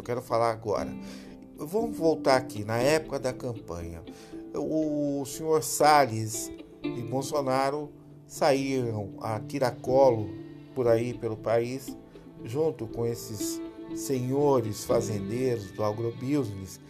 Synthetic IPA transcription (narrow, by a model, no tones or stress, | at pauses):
wkɛɾʊfalaɾaɡɔ̰ɾɐ̰ | vɐ̃mʊzvowt̪aɾakinɐɛpʊ̥kɐd̪ɐkɐ̃mpɐ̰̃ɲɐ̰ | ʊsĩɲoɾsalis | ɪbowsonaɾʊ | saiɾɐ̃w̃at̪iɾakɔlʊpʊɾaipelʊpais | ʒũnt̪ʊkõesɪsːẽɲoɾɪsfazẽnd̪eɾʊzd̪ʊaɡɾobizmis